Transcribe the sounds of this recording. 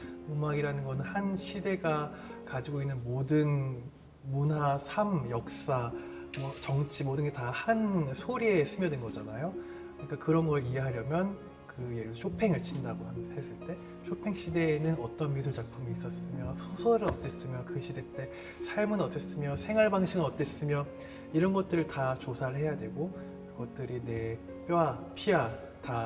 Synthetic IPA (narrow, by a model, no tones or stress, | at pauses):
umaɡiɾanɯnɡʌnɯnhanɕʰide̞ɡa | kad͡ʑiɡoinːɯnmodɯn | munɦasʰamjʌk̚s͈a | mʌt͡ɕʌŋt͡ɕʰimodɯŋetahansʰoɾie̞sʰɯmjʌdenɡʌd͡ʑanajo | kɯɲik͈akɯɾʌnɡʌɾɭie̞ɦaɾjʌmjʌn | kɯjeɡisʰoɕʰopʰe̞ŋɯɭt͡ɕʰindaɡohamhe̞s͈ɯɭt͈e̞ | ɕʰopʰe̞ŋɕʰide̞nɯnʌt͈ʌnmis̬ʰuɭt͡ɕak̚pʰumiːs͈ʌs͈ɯmjʌsʰosʰʌɾɯɾʌt͈e̞s͈ɯmjʌkɯɕʰide̞t͈e̞ | sʰaɭmɯnʌt͈es͈ɯmjʌsʰe̞ŋwaɭbaŋɕʰiŋɯnʌt͈e̞s͈ɯmjʌ | iɾʌnɡʌt̚t͈ɯɾɯɭtat͡ɕosʰaɾɯɭhe̞jadwe̞ɡo | kɯɡʌt̚t͈ɯɾine̞ | p͈joapʰia | ta